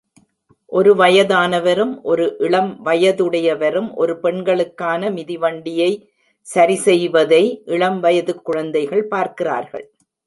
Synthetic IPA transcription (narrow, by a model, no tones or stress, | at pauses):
ʔɔɾɯʋɐjɐðaːnɐʋɐɾɯmʔɔɾɯʔɪɭɐmʋɐjɐðɯɽɐjɐʋɐɾɯmʔɔ̰ɾɯpɛɳɡɐɭɯkːaːnɐmɪðɪʋɐɳɖɪjɐɪ | sɐɾɪsɛjʋɐðɐɪʔɪɭɐmʋɐjɐðɯkːʊɻɐnd̪ɐɪɣɐɭpaːɾkɪra̰ːɾɣɐ̰ɭ